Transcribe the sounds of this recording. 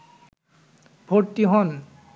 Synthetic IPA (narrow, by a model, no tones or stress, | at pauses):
bʱoɾtiɦɔn